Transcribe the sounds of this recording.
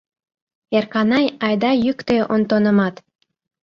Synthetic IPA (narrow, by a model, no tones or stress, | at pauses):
erkɑnɑjɑjd̪ɑjykt̪eʔont̪onə̆mɑt̪